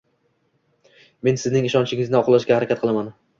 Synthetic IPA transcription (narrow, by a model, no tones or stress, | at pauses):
me̞nsɪznɪŋɪʃɒnʃɪŋɪznɪɒqʰlˠaʃkʲahaɾakʲat̪̚qɨlˠaman